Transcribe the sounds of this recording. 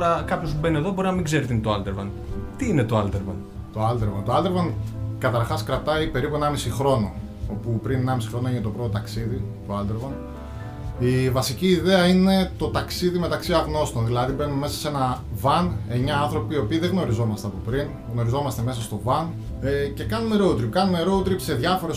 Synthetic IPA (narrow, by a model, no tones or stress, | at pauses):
ɾɐkɐpço̞smubeneðo̞bo̞ɾinɐmĩɡze̞ɾet̪inet̪oald̪eɾvɐn | t̪iinet̪oald̪eɾvɐ̰n | t̪o̞ɐld̪e̞ɾvɐnt̪oɐld̪e̞ɾvɐnkɐt̪ɐɾxɐskɾɐp̚t̪ɐipe̞ɾipue̞nɐmisixɾo̞no̞ | opupɾinenɐmisixɾo̞noeçinet̪o̞pɾo̞t̪ot̪ɐksiðit̪oɐld̪eɾvɐn | ivɐsiciːðeɐine̞t̪o̞t̪ɐksiðime̞t̪ɐksiɐɣno̞st̪o̞nðilɐðibe̞nunme̞sɐse̞nɐvɐne̞ɲɐɐnθɾo̞piːo̞piːðe̞ɣno̞ɾizo̞mɐst̪eɐpo̞pɾin | ɣno̞ɾizo̞mɐst̪e̞me̞sɐst̪o̞vɐn | ece̞kɐnune̞ɾout̪ɾipkɐnuneɾo̞ut̪ɾipse̞ðʝɐfo̞ɾe̞